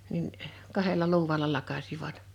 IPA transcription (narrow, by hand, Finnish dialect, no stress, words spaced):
nin kɑhelɑ luːwˑɑlɑ lɑkɑsiʋɑt